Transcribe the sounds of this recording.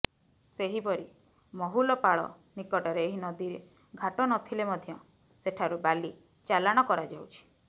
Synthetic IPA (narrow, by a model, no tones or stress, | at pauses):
seɦipɔɾi | mɔɦulɔpaɭɔ̰ | nikɔʈɔɾeːɦinɔd̪iɾe | ɡʱaʈɔnɔt̪ʰilemɔd̪ʱjɔ | seʈʰaɾubali | t͡ʃalaɽ̃ɔkɔɾad͡ʒawt͡ʃʰi̥